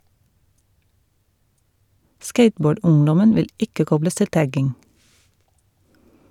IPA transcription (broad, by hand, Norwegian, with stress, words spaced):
ˈskeɪtˌboːˌɖʊŋdɔmən ˈʋɪl ˈɪkə ˈkɔbləs ˈtɪl ˈtæɡɪŋ